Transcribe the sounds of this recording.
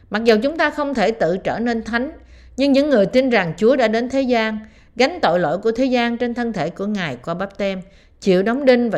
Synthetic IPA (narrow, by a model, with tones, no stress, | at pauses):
ma˨˩zə˨˩wt͡ɕʊ˨˦ŋ͡mt̪aː˧xə˧wŋ͡mt̪ʰe˧˩t̪ɨ̰˧˨t͡ɕəː˧˩ne˧nt̪ʰa˨˦jŋ̟ | ɲɨ˧ŋɲɨ̰˧˥ŋːɨ˨˩əjt̪i˧nza˨˩ŋt͡ɕu˨˦əɗa̰ː˧˥ɗe˨˦nt̪ʰe˨˦zaː˧n | ɣa˨˦jŋ̟t̪o̰˧˨jlo̰˧˨jku˧˩ət̪ʰe˨˦zaː˧nt͡ɕe˧nt̪ʰə˧nt̪ʰe˧˩ku˧˩əŋaː˨˩jkɔ˧ɓaː˦˥p̚t̪ɛ˧m | t͡ɕḭ˧˨əwɗa˨˦wŋ͡mɗï˧ŋvaː˨˩